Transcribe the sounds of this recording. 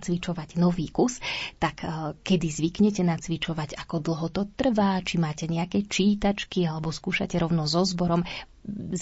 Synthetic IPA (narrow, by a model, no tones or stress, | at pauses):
t͡sʋit͡ʃɔʋaɟnɔʋiːkust̪akkɛd̪izʋikɲɛcɛnat͡sʋit͡ʃɔʋaɟakɔd̪l̩ˠɦɔt̪ɔt̪r̩ʋat͡ʃimaːcɛɲɛakɛt͡ʃiːt̪at͡ʃkialɛbɔskuːʃa̰cɛɾɔʊnɔzɔzbɔɾɔm | z